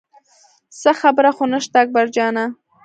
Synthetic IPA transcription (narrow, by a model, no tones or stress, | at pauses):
saxabɾaxonaʃt̪aːk̚baɾd͡ʒɑna